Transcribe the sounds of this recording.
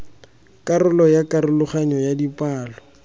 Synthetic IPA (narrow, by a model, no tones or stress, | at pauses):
kʼarʊlɔjakʼaɾʊlʊχaɲɔjadipʼaːlɔ